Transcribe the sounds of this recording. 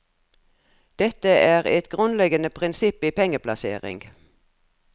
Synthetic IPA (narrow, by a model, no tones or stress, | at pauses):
d̪̥ɛt̪əʔæːʁɛt̪ɡʁʉnlɛɡənəpʰʁɪnsɪpiːpɛŋəpʰlɑsḛːʁɪ̰ŋɡ